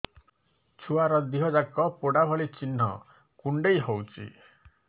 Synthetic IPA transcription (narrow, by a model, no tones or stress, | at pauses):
t͡ʃʰuaɾɔd̪iɦɔd͡ʒakɔpoɽabʱɔɭit͡ʃinːɔ̰ | kuɳɖejɦowt͡ʃʰḭ